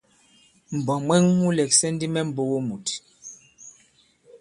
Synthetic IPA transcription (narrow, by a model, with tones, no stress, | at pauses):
m̩˨bɔ˨mwɛ˦ŋmu˦lɛ˨k̚sɛ˦n˦di˦mɛ˦m̩˨bo˦wo˦mu˨t